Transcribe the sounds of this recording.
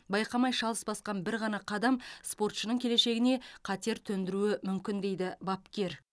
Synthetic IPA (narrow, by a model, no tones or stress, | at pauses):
bɑjqɑmɑjʃɑlˠəsbɑsqɑnbɪɾʁɑnɑqʰɑd̪ɑmspo̞rt̪ʃənəɴkʲʰele̞ʃe̞ɡʲɪne̞qʰɑt̪e̞ɾt̪ʰɵnd̪ɪɾuɪmʏmkʲɪnd̪e̞jd̪ɪbɑpkʲe̞ɾ